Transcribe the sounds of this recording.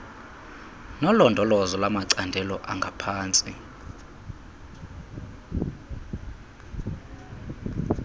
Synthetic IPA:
nɔlɔndʱɔlɔzɔlamaǀandʱɛlɔʔaŋɡʱapʰaːnt͡sʼi

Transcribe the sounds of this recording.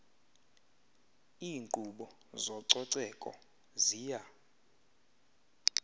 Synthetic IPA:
iːŋǃʼuɓɔ | zɔǀɔǀɛkʼɔ̰ | ziːja

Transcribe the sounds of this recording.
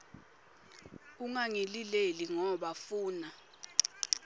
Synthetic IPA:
uŋaŋilileliŋɔɓafuːna

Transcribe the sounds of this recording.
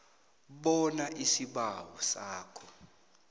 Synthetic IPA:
ɓɔnaʔisiɓawɔsaːkʰɔ̥

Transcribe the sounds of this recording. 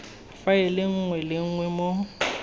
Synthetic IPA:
afaɛlɪŋ̩ŋwɛlɪŋ̩ŋwɛmo

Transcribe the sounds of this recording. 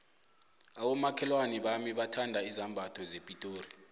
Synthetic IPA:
aɓɔmakʰɛlwaniɓamiɓatʰandʱaizambʱatʰɔzepʼitʼoːri

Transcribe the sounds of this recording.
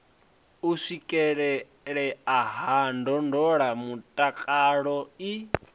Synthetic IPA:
usikʼɛɺɛ | ɺɛaɦandɔndɔɺamutʼakʼaɺɔi

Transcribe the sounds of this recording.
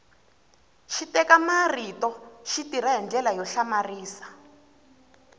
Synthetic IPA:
ʃitɛkamaritɔʃitiɾaɦɛnd͡ɮɛlajɔɬamariːsḁ

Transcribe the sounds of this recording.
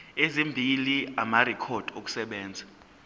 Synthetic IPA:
ezimbʱiliamarɛkʰɔd̥ʱok̬ʼu̥sɛɓɛːnd͡zʱa

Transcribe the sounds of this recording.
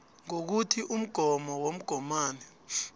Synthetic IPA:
ŋok̬utʰiʔum̩ɡ̥ʱɔmɔwom̩ɡ̥ʱɔmaːnɛ

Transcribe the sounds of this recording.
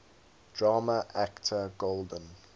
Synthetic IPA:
d̥ɹɑːməʔæktʰəɡoldə̃n

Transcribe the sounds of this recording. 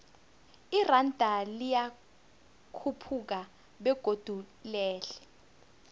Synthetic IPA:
irandʱalija | kʰupʰuk̬a | ɓɛɡ̥ʱod̥ʱulɛːlɛ

